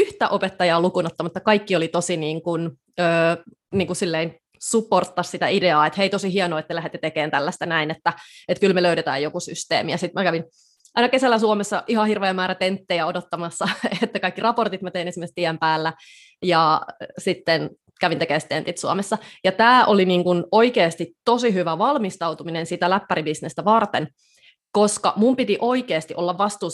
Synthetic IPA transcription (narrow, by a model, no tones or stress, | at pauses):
yht̪æʔopet̪ːɑjɑːlukunot̪ːɑmut̪ːɑkɑikːiolit̪osiniːŋkun | øː | niːŋkusilːein | supːort̪ːɑssit̪æideɑːet̪heit̪osiɦiɑnoːet̪ːlæɦet̪ːet̪ekeːnt̪ælːæst̪ænæinet̪ːæet̪kylmeløydet̪æ̰ːjjokusy̰st̪ḛːmijæsit̪mækæʋin | ʔɑinɑkesælːæsuomesːɑʔihɑhirʋeːmæːɾæt̪ent̪ːejæodot̪ːɑmɑsːɑet̪ːækɑikːirɑport̪it̪mɑt̪einesimːest̪iæmpæːlːæ | jɑsit̪ːen | kæʋint̪ekeːst̪ent̪it̪suomesːɑjɑt̪æːʔoliniːŋkunoikeːst̪it̪ːosiɦyʋæʋɑlmist̪ɑut̪uminensit̪ælæpːæɾibisnest̪æʋɑrt̪en | koskɑ̰mumpit̪iʔoikeːst̪iʔolːɑʋʋɑst̪uː